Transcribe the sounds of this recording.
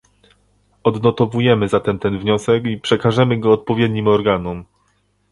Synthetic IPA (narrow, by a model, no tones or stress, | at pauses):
ɔd̪nɔt̪ɔvujɛmɘzat̪ɛmt̪ɛnvɲɔsɛkipʂɛkaʐɛmɘɡɔːt̪̚pɔvʲjɛd̪ɲimɔɾɡanum